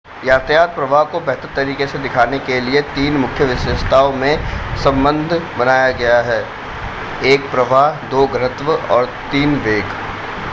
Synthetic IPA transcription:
jaːt̪ʰjaːt̪̚pɾɐʋaːɦkobɛɦt̪əɾt̪ɐɾiːkesed̪ɪkʰaːnekeliet̪iːnmʊkʰjəʋɪʃəst̪ʰaːõmẽsɐ̃mbə̃nd̪ʱbɐnaːjaɡɐjaɦɛː | eːkpɾɐʋaːɦd̪oːɡənət̪ʋəɔːɾt̪iːnʋeːɡ

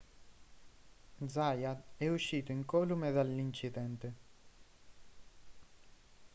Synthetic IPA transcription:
d̪zajaɛuʃːiːt̪oiŋkɔlumeðalːint͡ʃid̪ɛnt̪e

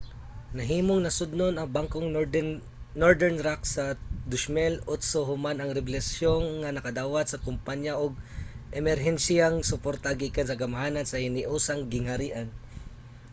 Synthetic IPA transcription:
nɐɦiːmoŋnɐsʊd̪nonɐŋbaŋkoŋ | nːoɹd̪ɛɹnɾaksɐd̪ʊʃmɛlʊt̪soɦʊmanɐŋɾɛblɛsjoŋŋɐnɐkɐd̪aːwat̪̚sɐkʊmpaɲjaʔʊɡ̚ʔɛmɛɾɦɛnsijaŋsʊpoɾt̪aɡikansɐɡɐmɦaːnansɐhɪnɪʔuːsaŋɡɪŋhɐɾiːʔan

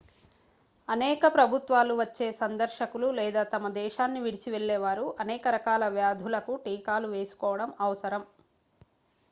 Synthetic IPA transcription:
ɐnɛːkɐpɾɐbʱut̪ʋaːluʋɐt͡ʃːeːsɐnd̪ɐɾʃɐkululɛːd̪aːt̪ɐmɐd̪ɛːʃaːnːiʋiɽit͡ʃiʋeɭːɛːʋaːɾuʔɐnɛːkɐɾɐkaːlɐʋjaːd̪ʱulɐkuʈiːkaːluʋe̞ːsu̥kɔːʋɐɽɐmɐʋɐsɐɾɐm

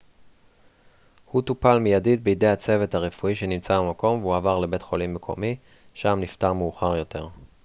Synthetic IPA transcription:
hutupalmijadit̚beide̞jat͡se̞ve̞thaʁefuiʃe̞nimt͡sabamako̞mveuavaʁle̞be̞tχo̞limːekʰo̞̰mi | ʃamniftaʁmeuχaʁjo̞te̞ʁ

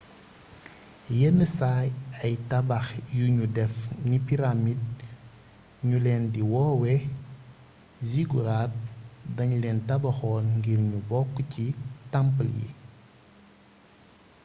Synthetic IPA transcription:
jɛnːəsaːjɐjtɐbɐxjuɲudɛfnipiɾamid̚ | ɲulɛːndiwɔːwɛ | ziɡuɾat̚dɐɲulɛːntɐbɐxɔːnŋɡiɾɲubɔkːcitɐmpəljḭ

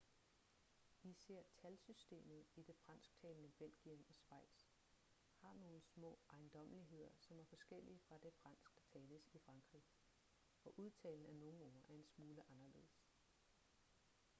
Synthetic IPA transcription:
isæɐ̰t͡sʰælsysd̥e̝̰ːmð̞̩ˠid̥e̝fʁɑ̈n̰sɡ̥̚t͡sʰɛ̰ːlnəb̥el̰ɡ̥iəmɒ̽sʋɑ̈ɪ̰d̥s | hɑ̈no̝ːləsmɔ̰̽ːʔɑ̈ɪnd̥ɒ̽m̰liɦe̝ð̞̰ˠɐsɒ̽mæɐfɒ̽sɡ̥el̰iəfʁɑ̈d̥e̝fʁɑ̈n̰sɡ̥̚d̥ɑ̈t͡sʰɛːləsifʁɑ̈ŋɡ̥ʁḭ | ɒ̽ʔuð̞ˠt͡sʰɛ̰ːln̩æno̝ːn̩ɒːʔæɐe̝nsmuːləʔɑ̈nɐle̝̰ð̩̰ˠs

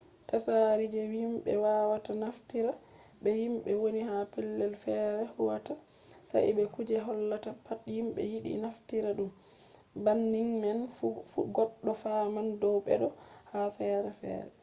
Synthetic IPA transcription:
tasaɾid͡ʒɛwimɓɛ̰waːwatanaftiɾa | ɓɛjimɓɛwonihapɛlːɛlfɛɾɛhuwata | sa̰ʔɓɛkud͡ʒɛɦɔlːatapatjimɓɛ̰jiɗḭnaftiɾaɗum | banːiŋmɛnfuɡɔɗːɔfamandɔwɓɛ̰ɗɔhafɛːɾɛfɛ̰ːɾɛ̰

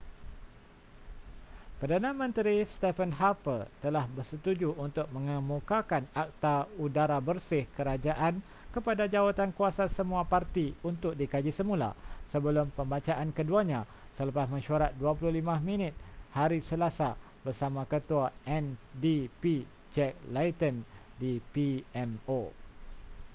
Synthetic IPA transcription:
pərdanãmə̃nt̪ɾist̪ɛfənɦapət̪əlahbərsət̪ud͡ʒuunt̪ʊk̚mə̃ŋəmukakanak̚t̪audaɾabərsɪhkəɾad͡ʒaʔan | kəpadad͡ʒawat̪ankuasasəmũapart̪iunt̪ʊk̚dikad͡ʒisəmũla̰səbəlʊmpəmbat͡ʃaʔankəduaɲã | sələpasmə̃ʃuaɾat̪̚duapulʊhlimãmĩnɪt̪̚haɾisəlasa | bərsamãkət̪uaɛndipi | d͡ʒɛk̚lajt̪əndipiɛmo

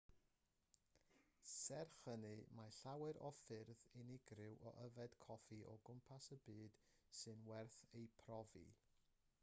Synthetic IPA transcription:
sɛrχənɨmaɬawɛɾʔɔfɪrðɪnɪɡrɪwʔɔʔəvɛd̥kʰɔfiʔɔ̰ɡʊmpʰasəbɨːd̥ | sɨnwɛrθejpʰrɔvḭ

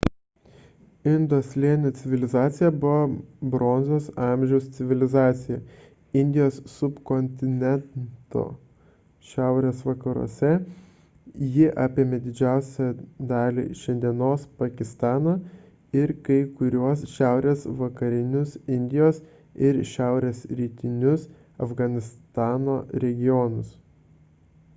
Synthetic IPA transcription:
ɪnd̪oːsʲlʲiɛnʲɛt̪sʲɪʋʲɪlʲɪzɑːt̪sʲɪjɛbʊʋobɾoːnʲzʲoːsɑˑmʲʒʲɛʊst̪sʲɪʋʲɪlʲɪzɑːt̪sʲɪjɛ | ɪnʲd̪ʲɪjoːssʊpkɔnʲt̪ʲɪnʲɛnt̪o̰ː | ʃʲæˑʊɾʲeːsʋɐkɐɾṵɔ̰sʲɛ | jɪʔɑːpʲeːmʲed̪ʲɪd͡ʒʲæˑʊsʲɛd̪ɑːlʲḭːʃʲɛnʲd̪ʲiɛnoːspɐkʲɪst̪ɑːnɐ | ɪɾkɐɪkʊɾʲuɔsʃʲæˑʊɾʲeːsʋɐkɐɾʲɪnʲʊsɪnʲd̪ʲɪjoːs | ɪɾʃʲæˑʊɾʲeːsɾʲiːt̪ʲɪnʲʊs | ɐfɡɐnʲɪst̪ɑːnoːɾʲɛɡʲɪjoːnʊs

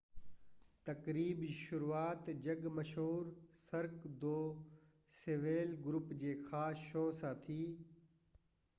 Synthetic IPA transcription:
t̪ɐkɾiːbʃʊɾuːaːt̪d͡ʑɐɡmɐʃɦuːɾsɐɾkd̪oː | seːʋeːlɡɾʊpd͡ʑeːxaːsʃoːsãːt̪ʰiː

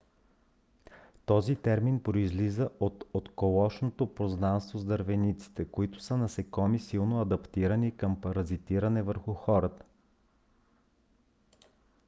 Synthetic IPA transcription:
t̪ɔzit̪ɛɾminpɾoizlizəʔot̪ot̪kolˠɔʃnot̪opɾoznanst̪vozd̪əɾvɛnit̪si̥t̪ɛkoit̪ʊ̥sənɐsɛkɔmisilˠnoɐd̪ɐpt̪iɾənikəmpɐɾɐzit̪iɾɐnɛvəɾxʊxɔɾət̪ə̥

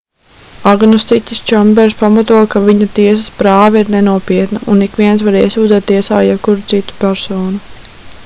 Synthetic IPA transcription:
aɡnɔst̪itʲist͡ʃɔmbɛɾspamat̪uɔkaviɲɐt̪iɛs̬ɐspɾaːvɛiɾnɛnuɔpiɛt̪nɐʔunikʋiɛnsvaɾiɛsuːd̪zɛt̪ːiɛsaːjɛb̚kuɾut̪sit̪u̥pʲæɾsoːnu

